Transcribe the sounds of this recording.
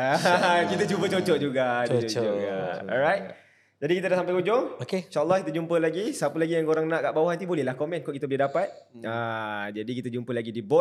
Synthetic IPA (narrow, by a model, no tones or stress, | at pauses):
akit̪ət͡ʃumpət͡ʃot͡ʃɔʔd͡ʒuɡaouɡaɔ̰ɾajt̪̚ | d͡ʒadikit̪̬ədaʔsampajkud͡ʒɔŋokeinʃaʔəlˠːɑhkit̪əd͡ʒumpəlaɡisapəlaɡijaŋkoɾaŋnãʔkaʔbawahat̪̬ibolɛhlahkomɛ̃nkɔʔkit̪əbolɛdapat̪̚ | ad͡ʒadikit̪əd͡ʒumpəlaɡidibɔt̚